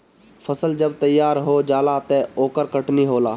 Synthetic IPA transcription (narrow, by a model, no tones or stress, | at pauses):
fʰəsəld͡ʒəbt̪əjːaːɾɦoːd͡ʒaːlat̪eoːkəɾkəʈniɦoːlaː